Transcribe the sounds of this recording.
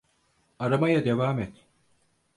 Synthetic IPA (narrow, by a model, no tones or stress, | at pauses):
aɾamajad̪e̞vaːmɛt̪